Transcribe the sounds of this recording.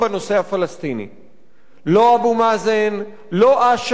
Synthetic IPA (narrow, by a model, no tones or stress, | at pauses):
beno̞se̞hafalast̪inḭ | lo̞abumazen | lo̞ʔaʃ